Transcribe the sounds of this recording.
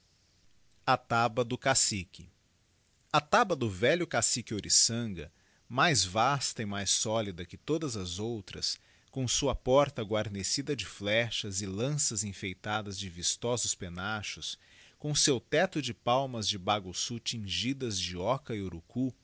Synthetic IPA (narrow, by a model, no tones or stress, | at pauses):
at̪abɐd̪ʊkasikɪ | ɐt̪abɐd̪ʊvɛʎʊkasikɪoɾʔisɐ̃ɡɐ̰ | majzvast̪ɐɪmajsɔlid̪ɐkɪt̪od̪ɐzɐzowt̪ɾɐ̰s | kõsuɐpɔɾt̪ɐɡwaɾnesid̪ɐd͡ʒɪflɛʃɐzɪlɐ̃sɐzẽfejt̪ad̪ɐzd͡ʒɪvist̪ɔzʊspenaʃʊs | kõsewt̪ɛt̪ʊd͡ʒɪpawmɐzd͡ʒɪbaɡʊsut͡ʃĩʒid̪ɐzd͡ʒɪɔkɐɪoɾuku